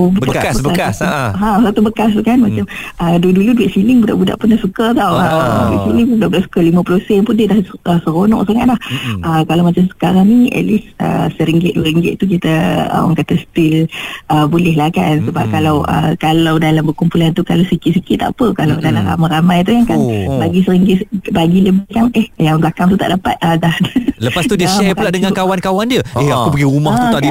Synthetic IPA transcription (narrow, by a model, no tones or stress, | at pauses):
bəbəaɦãsat̪ubəkas̬kanmat͡ʃamʔəduduluduɛt̚silɪŋbuda̰ʔbuda̰ʔpənahsukət̪awəduɛʔ̚siliŋpʊnbudaʔbudaʔsu̥kalimə̃plosɛnpʊndiədahʔəsəɾonɔ̰̃ʔsaŋaʔ̪̚lahʔəkalawmat͡ʃamsə̥kaɾaŋniʔɛ̰lisə̰səɾiŋɡɪt̪̚duəɾiŋɡɪ̰t̪̚t̪uk̬it̪əə̰wa̰ŋkat̪asə̥t̪ɪlʔəbulɛɦlahkansəba̰p̚kalawʔə̰kalawdalambəkumpulant̪ukalawsikɪt̪̚sikɪt̪ːa̰ʔpəkalawdalamɾa̰maɾamajt̪̬ukankanbaɡisəɾiŋɡɪtbaɡiləbɪhkanɛhjaŋblakaŋt̪̬ut̪a̰ʔdapa̰t̪̚ədahləpast̪udiəʃɛplaʔdəŋakawankawandiəeakupəɡiumaht̪ːut̪ad